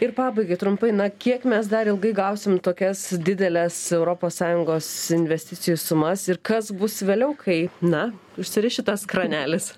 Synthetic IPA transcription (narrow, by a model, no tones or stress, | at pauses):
ɪrpɑːbɐɪɡɐɪt̪ɾʊmpɐɪnɐkʲiɛkmʲɛs̬d̪ɐɾɪlˠɡɐɪɡɐʊsʲɪmt̪oːkʲɛsd̪ʲɪd̪ʲɛlʲɛsɛʊɾoːpoːssɑːjʊŋɡoːsɪnʲʋʲɛsʲt̪ʲɪt͡ssʲɪjusʊmɐsɪrkɐsbʊsʋʲeːlʲɛʊkʰɐɪnɐ | ʊʃʲsʲɪɾʲɪʃʲɪt̪ɐskɾɐnʲæːlʲɪs